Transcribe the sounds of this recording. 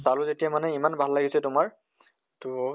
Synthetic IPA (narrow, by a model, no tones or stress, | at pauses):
salʊzetijamanɛimanbʱalːaɡisɛtʊmaɹ | tʊ